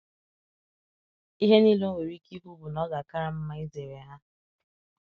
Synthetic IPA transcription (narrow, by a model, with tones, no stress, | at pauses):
i˦ɦe˦niː˦lo˦we˨ɾi˦ki˦ɦu˦bu˨nɔ˦ɡa˨ka˦ɾa˦m̩˦ma˦i˦ze˨ɾe˨ɦa˦